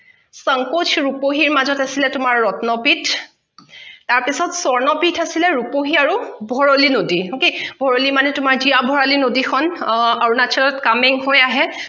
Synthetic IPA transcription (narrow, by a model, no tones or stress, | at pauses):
səŋkotʰɹupoɦiɹmazɔtasilɛtʊmaɹːɔtnɔpitʰ | taɹpisɔtsɔɹnɔpitʰasilɛɹupoɦiaɹubʱɔɹolinodiɦokebʱɔɹolimanɛtʊmaɹzijabʱɔɹalinodikʰɔnaɹunat͡ʃʰɔlɔtkamɛŋɦojaɦɛ